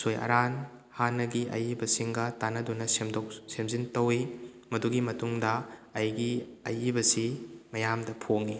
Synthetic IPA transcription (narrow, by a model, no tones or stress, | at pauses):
sojɐ̰ɾan | hanːɐɡiʔɐ̰jibɐsiŋɡɐtanɐdunɐsemdok̚semzintɐwi | mɐduɡimɐtuŋdɐːjɡiɐ̰jibɐsimɐjamdɐpʰoŋi